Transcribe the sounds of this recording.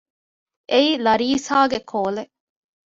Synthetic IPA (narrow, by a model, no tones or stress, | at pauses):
ʔeilɐɾiːsaːɡekʰoːle